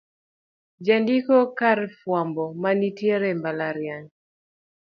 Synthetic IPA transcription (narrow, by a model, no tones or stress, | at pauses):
d͡ʒandikɔkaɾfwambɔmanitjeɾɛmbalaɾjaɲ